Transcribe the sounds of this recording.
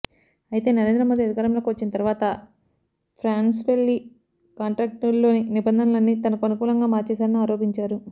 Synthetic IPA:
ɐjit̪e̞ːnɐɾe̞ːnd̪ɾɐmoːd̪iɐd̪ʱikaɾɐmloːkiʋɐt͡ʃːinɐt̪ɐɾuʋaːt̪ɐ | pʰɾaːnsʋe̞lːi | kaːɳʈɾaːk̚ʈɐlːo̞ːninibɐnd̪ʱɐnɐlɐnːiːt̪ɐnɐkuɐnukuːlɐŋɡaːmaːɾt͡ʃɛːsaːɾɐniaːɾoːpiɲt͡ʃaːɾu

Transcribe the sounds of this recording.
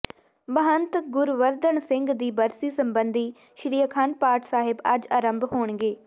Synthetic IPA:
bəɦənt̪ɡʊɾʋəɾd̪əɳsɪ̃ŋɡd̪iːbəɾsiːsəmbənd̪ʱiː | ʃɾiːəkʰaːnpaːɾʈʰsaːɦɪbɐd͡ʒaːɾəmbʱɦoːɳɡeː

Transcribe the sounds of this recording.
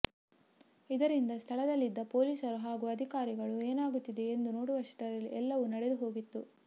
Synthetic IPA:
id̪ɐɾind̪ɐst̪ʰɐɭɐd̪ɐlːid̪ːɐpo̞ːliːsɐɾuɦaːɡuːɐd̪ʱikaːɾiɡɐɭueːnaːɡut̪ːid̪e̞end̪uno̞ːɽuʋɐʂʈɐɾɐlːiʔɛlːɐʋunɐɽed̪uɦo̞ːɡit̪ːu

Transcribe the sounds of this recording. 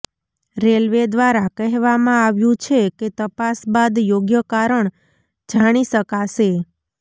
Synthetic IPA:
ɾelʋed̪ʋaɾakəɦʋamãaʋjũt͡ʃʰeket̪əpasbad̪joɡjəkaɾəɳ | d͡ʒaɽ̃iʃəkaʃe

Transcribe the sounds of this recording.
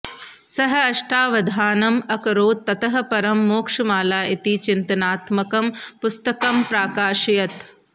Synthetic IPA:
sɐɦɐ̆ɐʃʈʰaːʋɐd̪ʱaːnɐmɐkɐɾoːt̪̚ːɐt̪ɐɦɐ̆pɐɾɐmːoːkʂɐmaːlaːʔit̪it͡ʃint̪ɐnaːt̪mɐkɐmpust̪ɐkɐmpɾaːkaːʃɐjɐt̪

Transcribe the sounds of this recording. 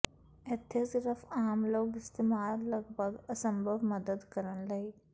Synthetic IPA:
et̪ʰːesiɾəfaːmloːɡɪst̪eːmaːllɐɡbʱəɡəsəmbʱəʋməd̪əd̪kəɾənlɐi

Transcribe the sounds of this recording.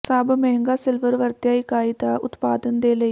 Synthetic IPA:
saːbmɛːŋɡaːsɪlʋəɾʋəɾt̪jaːikaːiːd̪aːʊt̪paːd̪ənd̪eːləiː

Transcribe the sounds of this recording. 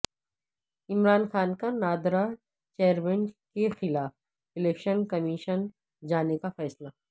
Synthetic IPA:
ɪmɾaːnxaːnkanaːd̪ɾa | t͡ʃeːɾmɛ̃ɳkexɪlaːf | ɪleːkʃənkɐmiʃən | d͡ʒaːnekafɛːsla

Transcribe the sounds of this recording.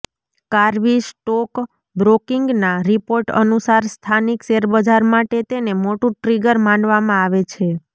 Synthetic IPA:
kaɾʋisʈɔk | bɾokiŋɡnaɾipoɾʈə̰nusaɾst̪ʰanikseɾbəd͡ʒʱaɾmaʈet̪enemoʈũʈɾiɡəɾmãɳɖʋamãaʋet͡ʃʰe

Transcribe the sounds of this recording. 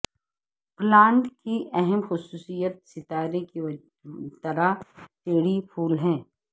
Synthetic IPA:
plaːɳʈkiʔɛɦɛmxʊsuːsijət̪̚sɪt̪aːɾeki | t̪ɐɾateːɽipʰuːlɦɛ̃ː

